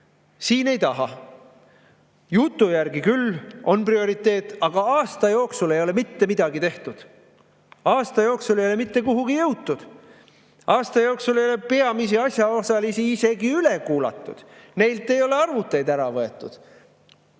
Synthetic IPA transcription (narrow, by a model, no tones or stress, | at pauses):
siːne̞jt̪ɑɦɑ̰ | jut̪ˑːujærɡikylo̞nprio̞ɾit̪ːˑe̞ːt̪ːˑɑɡ̥ɑɑːst̪ɑjo̞ːksule̞jo̞le̞mit̪ːe̞mid̪̥ɑɡit̪e̞ht̪ud̪̥ | ɑːst̪ɑjo̞ːksulejo̞lemit̪ːe̞kuɦuɡ̥ijɤwt̪ːud̪̥ | ɑːst̪ɑjo̞ːksule̞jo̞le̞pe̞ɑmisiɑsʲjɑosɑlisiise̞ɡiyle̞kuːlɑ̰t̪ːˑud̪̥ne̞jlt̪ːˑe̞jo̞le̞ɑrvut̪ːˑe̞jd̪æɾɑvɤe̞t̪ːˑud̪̥